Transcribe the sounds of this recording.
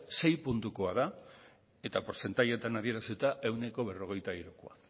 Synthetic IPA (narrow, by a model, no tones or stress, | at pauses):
se̞jpunt̪uko̞að̞a | e̞t̪apoɾse̞nt̪ajet̪anaðie̞ɾaset̪aʔe̞wne̞ko̞βe̞ro̞ɣ̞e̞jt̪aiɾukoa̰